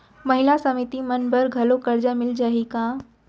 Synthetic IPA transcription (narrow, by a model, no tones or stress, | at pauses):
mɐɦɪlasɐmɪt̪imɐnbəɾɡʱɐlokɐɾd͡ʒamɪld͡ʒaɦikã